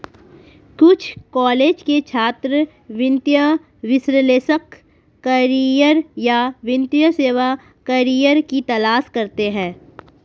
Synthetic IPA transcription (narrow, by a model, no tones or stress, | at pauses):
kʊt͡ʃʰkɔːleːd͡ʒket͡ʃʰaːt̪ɾə | ʋɪ̃nt̪jə | ʋɪsɾəleːsəkː | əɾijəɾjaʋɪ̃nt̪jəseːʋa | kɐɾijəɾkit̪ɐlaːskɐɾt̪eɦɛ̃ː